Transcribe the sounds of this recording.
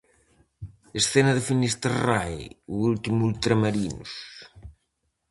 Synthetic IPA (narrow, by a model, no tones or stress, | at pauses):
esθenɐðɪfinist̪erajuult̪imuult̪ɾamaɾinṵs